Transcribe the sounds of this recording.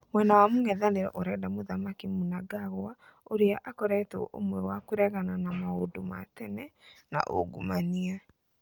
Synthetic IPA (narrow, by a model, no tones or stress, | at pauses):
mwɛnawamoŋɛðaneɾɛʔoɾɛdamoðamakimunaɡaɣoa | oɾeaʔakɔɾɛto̰ʔo̰mwɛwakoɾɛɣananamaodoma̰tɛnɛna̰ʔo̰ɡumania